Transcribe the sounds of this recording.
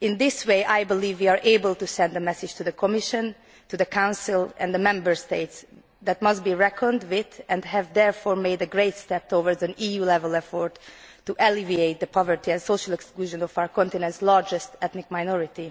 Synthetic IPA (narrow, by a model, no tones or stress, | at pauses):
ɪ̃nd̪ɪsweɪʔajbɪliːvwiːaːɹʔeɪbəlt̪usɛ̃nd̪əmɛsɪd͡ʒt̪ud̪əkʰɔmɪʃə̃n | t̪ud̪əkʰãw̃nsilɛ̰̃nd̪əmɛ̃mbəɹst̪eɪt̪s | d̪ɛt̪mʌst̚biːɹɛkʰə̃nd̪wɪt̪ɛ̃nɦɛvd̪ɛɹfɔːɹmeɪdəɡɹeɪt̪st̪ɛp̚t̪ʰovəɹdzɛ̃niːjuːlɛvɛlɛfɔɹt̪ː | uʔɛlivieɪt̪̚d̪əpʰɑvəɹt̪iɛ̃nsoʃəlɛkskluːʒə̃nɔfawəɹkɔ̃nt̪ɪnɛ̃nt̪slɑɹd͡ʒɛst̪ɛt̪nɪk̚majnɔɹɪt̪i